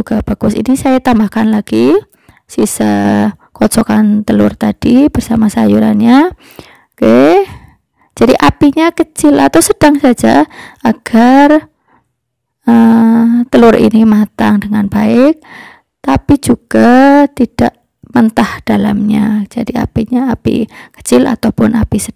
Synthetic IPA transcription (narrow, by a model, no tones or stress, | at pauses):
uɡ̥ab̥aɡ̥ʊsḭnisajat̪ambahkanlaɡ̥i | sisə | kɔt͡ʃɔkant̪əlʊ̰rt̪ad̥ib̥ərsamasajuɾa̰nɲa | ke | d͡ʒ̥adiʔapiɲakət͡ʃɪla̰t̪awsəd̥aŋsḁd͡ʒaʔaɡ̥ar | ət̪əlʊrḭnimat̪aŋdəŋanbaɪk̚ | t̪apid͡ʒuɡ̥at̪id̥aʔ | mənt̪ahd̥ala̰mɲad͡ʒ̥adia̰piɲaapḭkə̥t͡ʃɪla̰t̪awpʊnapisə